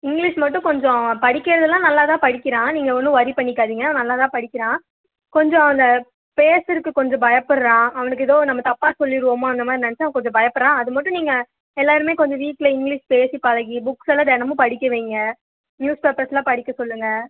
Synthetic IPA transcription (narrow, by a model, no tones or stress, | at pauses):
ɪŋɡliʂmɐʈːʊ̃kɔɲd͡ʒɔ̃pɐɽɪkːɪɾɐðɐlãːnɐlːaːt̪ãːpɐɽɪkʲːɪɾãːniːŋɡɐɔnːɯ̃ʋɐðipɐɳːɪkːaːðiːŋɡɐnɐlːaːt̪ãːpɐɽɪkʲːɪɾãː | kɔɲd͡ʒɔ̃ɐnd̪ɐ | peːsɪɾɯkːɯkɔɲd͡ʒɔ̃bɐjɐpːɐɽɾãːɐʋɐnɯk̬ːɯɛðoːnɐmːɐt̪ɐpːaːsɔlːɪɾɯʋoːmaːɐnd̪ɐmaːd̪ɾiɪnɐnɛt͡ʃːɐ̃ɐʋɐ̃kɔɲd͡ʒɔ̃bɐjɐpːɐɾãːɐðɯmɐʈːʊ̃niːŋɡɐ | ɛlːaːɾɯmeːkɔɲd͡ʒɔ̃ʋiːʈːlɐɪŋɡlɪʂpeːsipɐlɐɣibʊksɛlɐd̪ɛnɐmɯ̃pɐɽɪkːɐʋeːŋɡɐ | njuːspeːpɐɾslãːpɐɽɪkʲːɐsɔlːɯŋɡɐ